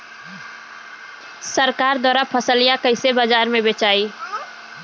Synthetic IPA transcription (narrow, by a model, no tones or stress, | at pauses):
səɾkaːɾd̪waːɾapʰəsəlijakəɪsebad͡ʒaːɾmẽbeːt͡ʃaːiː